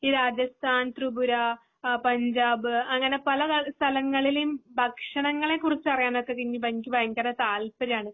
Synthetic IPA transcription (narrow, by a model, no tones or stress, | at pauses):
iːɾaːd͡ʑɐst̪ʰaːnt̪rubuɾɐ | pɐɲd͡ʑaːbɨɐŋːɐne̞pɐlɐɐst̪ʰɐlɐŋːɐɭilejumbʱɐkʂɐɳɐŋːɐɭe̞kːurit͡ɕːɨɐrijaːnokːekːiŋːibɐŋkʲːɨbɐjɐŋkʲɐrɐt̪aːlpɐɾaːɳɨ